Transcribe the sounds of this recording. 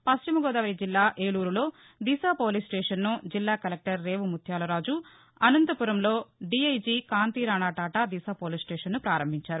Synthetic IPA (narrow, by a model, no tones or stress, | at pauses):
pɐst͡ʃimɐɡɔːd̪ɐʋɐjd͡ʒilːaːʔeːɭuːɾulo̞ː | d̪isaːpoːlisʈɛːʂɐnːud͡ʒilːaːkɐlek̚ʈɐɾːe̞ːʋumut̪ʰjaːlɐɾaːd͡ʒu | ɐnɐnt̪ɐpuɾɐmlo̞ːɖiɐjd͡ʒiːkaːnt̪iːɾaːɳaːʈaːʈad̪isaːpoːlisʈɛːʂɐnːupɾaːɾɐmbʱiɲt͡ʃaːɾu